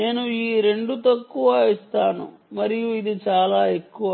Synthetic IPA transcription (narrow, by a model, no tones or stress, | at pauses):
ne̞ːnuiːɾe̞ɳɖut̪ɐkːuʋɐist̪aːnṵmɐɾijuid̪it͡ʃaːlaːe̞kːuʋɐ